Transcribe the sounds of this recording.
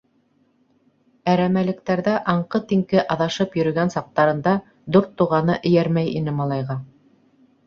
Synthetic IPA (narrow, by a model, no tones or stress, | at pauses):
æɾæmælɘ̆k̚t̪æɾðæʔɑɴqɤt̪iŋkɘʔɑðɑʃɤpjɵ̆ɾɵ̆ɡænsɑq̚t̪ɑɾɤ̆nd̪ɑ | d̪oɾt̪uʁɑnɤʔɘ̆jæɾmæjinɘmɑlˠɑjʁɑ